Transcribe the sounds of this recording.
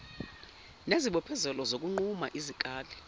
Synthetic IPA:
neziɓɔpʰɛzɛlɔzok̬ʼuŋ͡ǃuma̰ʔizikʼaːlɛ

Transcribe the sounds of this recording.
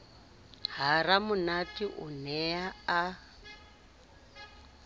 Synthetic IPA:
ɦaɾamʊnatiʔṵnɛaa

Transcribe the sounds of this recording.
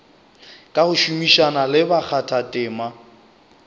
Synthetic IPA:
kʼahʊʃumiʃanalɪbak͡xʰatʰatʼɪːma

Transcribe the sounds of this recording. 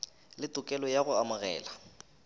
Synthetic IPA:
lɪtʼʊkʼɛlɔjaɣʊamʊɣɛ̰ːla

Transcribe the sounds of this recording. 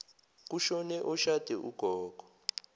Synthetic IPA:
k̬uʃɔnɛʔɔʃad̥ʱɛʔuɡ̥ʱɔːɡ̥ʱɔ̥

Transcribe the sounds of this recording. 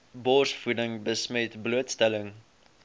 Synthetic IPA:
bɔrsfudəŋbəsmɛtbluətstɛləŋ

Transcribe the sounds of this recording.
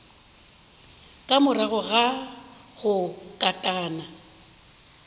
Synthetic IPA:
kʼamʊraɣʊɣa | ɣʊkʼatʼaːna

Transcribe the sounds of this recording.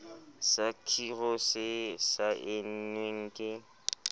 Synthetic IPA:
sakʰirɔsɪsaʔɪn̩nweŋ̩kʼɪ

